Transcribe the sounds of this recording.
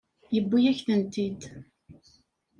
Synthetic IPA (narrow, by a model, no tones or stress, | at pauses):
jəbːijæçθənt̪id̪